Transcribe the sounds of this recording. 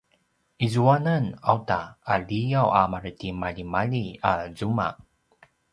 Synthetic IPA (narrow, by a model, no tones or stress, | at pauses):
ʔizuanana̰wtaːlijawa̰maɾtimaʎimaʎiazuma̰k̚